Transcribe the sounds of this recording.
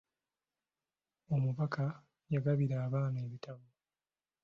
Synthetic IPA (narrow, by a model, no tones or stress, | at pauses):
o̞muβakʰa | jaɡaβiɾaːβaːnae̞βitʰaβu